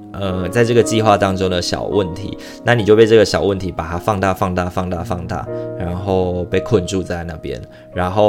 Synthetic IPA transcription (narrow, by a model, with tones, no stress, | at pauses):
ʔə˧t͡sa˥˧ɪʈ͡ʂɤ˥˩ɡə˨˩t͡ɕi˥˧xwa˥˧t̪ɑ˥ŋʈ͡ʂo˥ŋd̪ə˨ɕjɑ̰˨˩ʊwʔə˥˨nt̪ʰḭ˨˦ | na˥˩ni˨˩t͡ɕjo˥˧ʊpe˥˧ʈ͡ʂɤ˥˩ɡə˩ɕjɑ˨˩ʊwə˥˩nt̪ʰi˨˦˥pa˨˩t̪ʰa˥fɑ˥˧ŋt̪a˥˧fɑ˥˧ŋt̪a˥˧fɑ˥˧ŋt̪a˥˧fɑ˥˧ŋt̪a̰˥˩ɻa˧˦˥nxo˥˩ʊpe˥˧ɪkʰwə˥˧nʈ͡ʂu˥˧t͡sa˥˧ɪna˥˧˩pjɛ̰˦˥n | ɻa˧˥nxo˥˩ʊ